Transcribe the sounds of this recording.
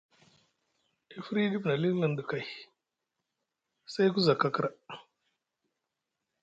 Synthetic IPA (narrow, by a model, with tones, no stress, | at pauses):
e˨fɾi˦di˦bna˨li˦n˦la˨ndə˨ka˨j | sa˦jɡu˦za˨ka˨kɾa˨